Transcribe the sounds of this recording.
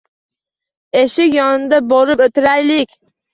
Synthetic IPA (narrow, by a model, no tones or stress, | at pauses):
e̞ʃɪkʲjɒnɨnd̪aboɾɨpɵt̪ʰɪɾajlɪkʲ